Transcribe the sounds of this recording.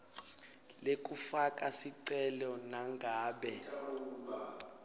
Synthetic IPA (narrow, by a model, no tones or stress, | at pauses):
lek̬ʼufakʼasiǀɛlɔnaŋɡʱaːɓɛ